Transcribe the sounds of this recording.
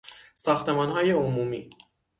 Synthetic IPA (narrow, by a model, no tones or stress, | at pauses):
sɒːxt̪ʰe̞mɒːnɦɒːje̞omuːmḭː